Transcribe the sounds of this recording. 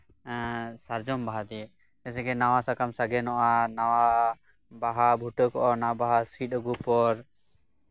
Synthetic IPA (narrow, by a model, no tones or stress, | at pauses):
saɾd͡ʒɔmbaɦad̪i | ɛsɛɡɛnawasakamsaɡɛnɔʔanawa | baɦabʱuʈəkɔʔɔnaabaɦasit̪̚əɡupɔɾ